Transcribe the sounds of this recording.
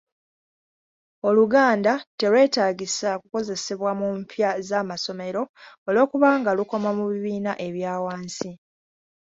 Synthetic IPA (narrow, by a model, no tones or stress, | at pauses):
o̞luɡaːndate̞lwe̞ːtaːɟisakuko̞ze̞seβwamumpʰjazamaso̞me̞ɾo̞olo̞ːkuβaːŋɡaluko̞mamuβiβiːnaʔe̞βjaːwaːnsi